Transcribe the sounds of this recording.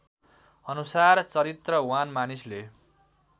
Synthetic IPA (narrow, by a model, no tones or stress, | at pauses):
ʌnusart͡sʌɾit̪rʌwanmanisle